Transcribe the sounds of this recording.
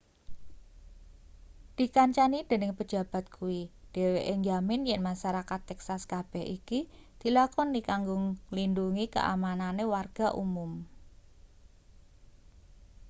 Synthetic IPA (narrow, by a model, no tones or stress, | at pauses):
d̪̥i̤kaɲt͡ʃanid̥e̤nɪŋpə̥d͡ʒ̥ä̤b̥a̤t̪̚kʰuwid̥eweʔeŋjamɪnjɛnmaʃaɾakat̪ːɛksaskab̥ɛ̤ɦikid̪̥i̤lakɔnːikaŋɡʊŋlinduŋikə̰ʔa̰mananewarɡ̥a̤ʔṵmʊm